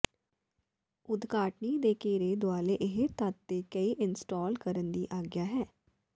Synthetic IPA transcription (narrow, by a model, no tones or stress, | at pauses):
ʊd̪kaːʈniːd̪eːkeːɾeːd̪ʊaːleʔɪɦet̪at̪ːeːkəiːʔɪnsʈɔːlkəɾənd̪iːʔaːɡjaːɦɛː